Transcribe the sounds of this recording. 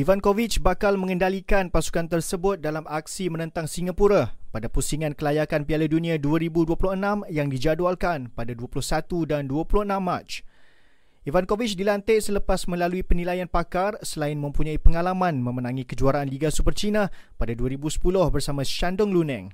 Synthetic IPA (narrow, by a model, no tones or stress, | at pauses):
ʔivankovit͡ʃbakalmə̃ŋəndalikanpasu̥kant̪ərsəbʊt̪̚dalamak̚simənə̃nt̪aŋsiŋapuɾapadapusiŋankəlajakanpialadunĩaduaɾibuduəpulʊhənãmjaŋdid͡ʒadwalkanpadaduəpulʊhsat̪udanduəpulʊhənãmːat͡ʃ | ʔivankovit͡ʃdilant̪eʔsələpasmə̃laluipənilajanpakarsəlaɪnmə̃mpuɲãipəŋalamãnmə̃mənãŋĩkəd͡ʒuaɾanliɡasupərt͡ʃinapadaduaɾibusə̥pulʊhbərsamãʃandʊŋlunɛ̰̃ŋ